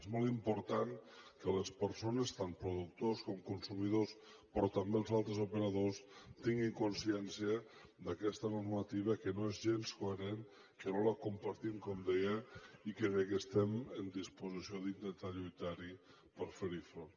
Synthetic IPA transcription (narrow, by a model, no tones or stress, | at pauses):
zmɔlˠimpuɾt̪aŋkələspəɾsonəst̪ampɾuðuk̚t̪oskɔmkunsumiðos | pɾɔt̪ambelˠzalˠt̪ɾəzupəɾaðost̪iŋɡiŋkunsiɛnsiə | d̪akɛst̪ənurmat̪iβ̞əkənoezʒenskoeɾen | kənoləkumpaɾt̪imkɔmd̪ejəikeβɛkəst̪ɛmənd̪ispuzisioðind̪ənt̪aʎujt̪aɾi | pəɾfeɾifɾo